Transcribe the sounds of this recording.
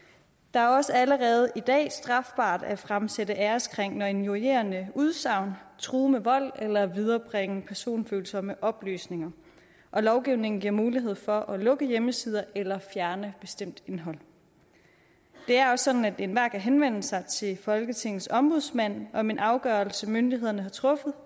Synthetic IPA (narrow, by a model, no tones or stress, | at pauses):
d̥ɑ̈æɐɒ̽səæləʁɛːð̞̩ˠʔid̥ɛ̰ːsd̥ʁɑ̈fb̥ɑ̰̈ːd̥æfʁamsedəʔæːɐsɡ̥ʰʁeŋ̰nɒe̝njuiḛɐnəuð̞ˠsɑ̈ʊ̰nt͡sʰʁuːmeʋɒ̽l̰elɐʋið̞ˠɐb̥ʁeŋəpʰæɐso̝̰ːnføːlsɒməʔɒ̽b̥ly̰ːsne̝ŋɐ | ʔɒ̽lɒʊɡ̥iʊne̝ŋn̩ɡiɐ̰muːliɦe̝ð̞̰ˠfɒ̽ʔælɔ̽ɡ̥əjeməsið̞ˠɐʔelɐfjæɐnəb̥e̝sd̥em̰d̥e̝nɦɒ̽l̰ | d̥e̝æɐɒ̽sɒ̽d̥n̩æd̥enʋæɐ̰ɡ̥æɦenʋen̰əsɑ̈ɪt͡sʰe̝lfɒ̽lɡ̥ət͡sʰe̝ŋð̩ˠsɒ̽mb̥o̝ðˠsmæn̰ɒ̽minʔɑ̈ʊɡ̥ɶɐl̩səmønd̥iɦe̝ð̰ˠɐnəhɑ̈t͡sʰʁɔ̽fð̞̩ˠ